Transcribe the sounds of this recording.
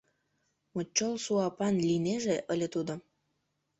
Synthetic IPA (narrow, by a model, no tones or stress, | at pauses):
mot͡ɕːolsuɑpɑnlʲineʒeʔəlʲet̪ud̪o